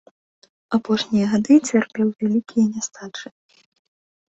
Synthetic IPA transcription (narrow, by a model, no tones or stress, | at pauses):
apɔʂnʲijɐɣad̪ɨt͡sʲarpʲɛwvʲalʲikʲʰijɛnʲast̪ʰat͡ʂɨ